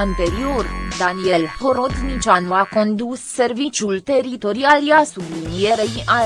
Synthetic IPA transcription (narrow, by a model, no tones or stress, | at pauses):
nt̪eɾiord̪anielhoɾot̪nit͡ʃanuako̞nd̪usːe̞rvit͡ʃjult̪e̞rit̪o̞ɾialjeasublinie̞ɾejʔa